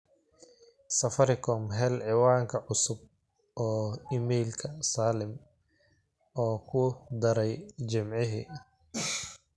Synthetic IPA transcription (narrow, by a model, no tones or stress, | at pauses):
sɐfɐɾɪkʰɔːmɦɛlʕɪwaːŋkʰɐʕʊsʊb̚ | ɔːiːmɛjlkʰɐsaːlɪm | ɔːkʰʊd̪ɐɾɛjd͡ʒɪmʕɪɦḭː